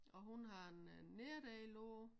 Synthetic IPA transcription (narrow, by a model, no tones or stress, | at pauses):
ɒ̽ɦunɦɑ̈enːeɐd̥ɛːloː